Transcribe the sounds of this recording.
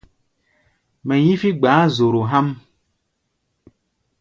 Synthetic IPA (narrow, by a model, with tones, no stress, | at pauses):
mɛ˨ji˦fi˦ɡ͡baː˨˦zo˨ɾo˨ɦa˦m